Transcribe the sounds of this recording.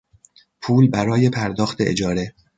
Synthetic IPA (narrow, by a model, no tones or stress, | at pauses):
pʰuːlbæɾɒːje̞pʰæɾd̪ɒːxt̪ʰe̞ʔed͡ʒɒːɾe